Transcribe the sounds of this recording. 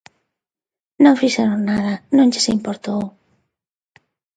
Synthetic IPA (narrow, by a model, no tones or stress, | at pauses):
nõŋfiʃɛɾoŋnaðɐnõŋʎesimpoɾt̪ow